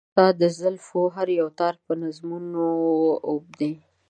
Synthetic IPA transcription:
ɑd̪əzəlfoɦaɾjawt̪ɑɾpənazmunoob̚d̪e

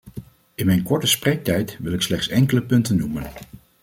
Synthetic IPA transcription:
ɪnmɛjnkɔɹtəsprejk̚tɛjtʋɪlˠɪkslɛχtsɛŋkələpɵntənːumən

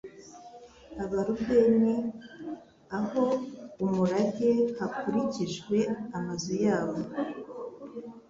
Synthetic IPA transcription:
aβaɾubɡe̞ːne | aho̞umuɾahehakuɾiciʒɡwe̞amazojaːβo

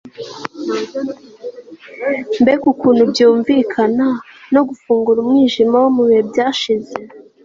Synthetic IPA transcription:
mbekukuːnhubjuːɱvikʰanano̞ɡufuːŋɡuɾumŋiːʒimawomuβihe̞bɟaːʃize

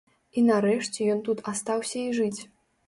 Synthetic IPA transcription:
inɐɾɛʂt͡sʲɛjɔnt̪ut̪ʰast̪awsʲɐiʐɨt͡sʲ

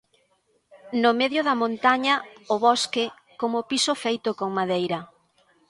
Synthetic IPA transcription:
nʊmeðjʊðɐmõnt̪aɲɐʊβɔskɪ | komʊpisofejt̪ʊkoŋmaðejɾɐ

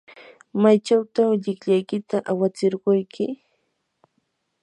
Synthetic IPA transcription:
majt͡ʃawt̪awʎɪkʎajkɪt̪aʔawat͡sɪɾɢʊjkʰɪ

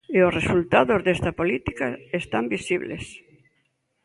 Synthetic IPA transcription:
eosresult̪aðozðest̪ɐpolit̪ikaest̪ambisiβlḛs

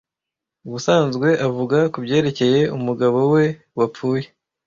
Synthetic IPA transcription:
uβusaːnzɡwe̞ʔavuɡakubɟe̞ːɾe̞ce̞je̞umuɡaβo̞we̞ | wap͡fuːje̞

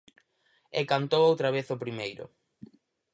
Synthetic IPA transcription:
ekant̪owowt̪ɾaβeθopɾimejɾʊ̰

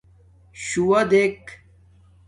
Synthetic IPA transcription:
ɕuwɐd̪ek

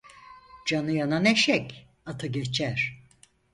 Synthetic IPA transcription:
d͡ʒanɯjananɛʃɛkʲ | at̪ʰaɡet͡ʃʰæɾ̥

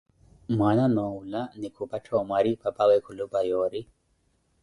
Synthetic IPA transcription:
mwananɔulanikʰupatʰɔmwaɾipapawɛkʰulupajɔɾi

